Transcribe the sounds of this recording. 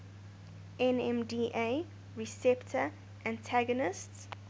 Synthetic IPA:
ɛ̃nɛ̃mdiʔe | ɹisɛptʰə | ʔãntʰæɡɔnɪsts

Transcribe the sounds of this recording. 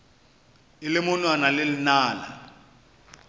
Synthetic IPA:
ɪlɪmʊnwanalɪlɪnaːla̰

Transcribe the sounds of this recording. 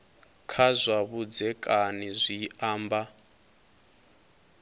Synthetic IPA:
kʰazʷaβud͡zɛkʼanizʷiaːmba

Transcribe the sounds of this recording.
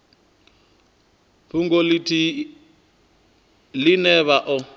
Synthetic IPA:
ɸʰuŋɡɔlitʰi | linɛβaʔɔ

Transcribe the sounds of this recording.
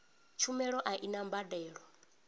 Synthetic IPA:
t͡ʃʰumɛɺɔʔaʔinambadɛːɺɔ

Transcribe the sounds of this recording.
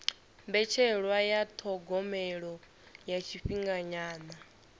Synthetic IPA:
mbɛt͡ʃʰɛɺwajat̪ʰɔɡɔmɛɺɔ | jat͡ʃʰiɸiŋɡaɲaːna

